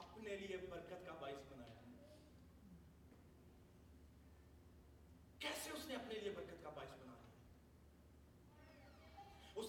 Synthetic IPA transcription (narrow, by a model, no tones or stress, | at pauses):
ɐpneliebəɾkət̪kabaːɪsbɐnaːja̰ | kɛːseʊsneɐpneliebɐɾkət̪kabaːɪsbɐna̰ːla̰ | ʊs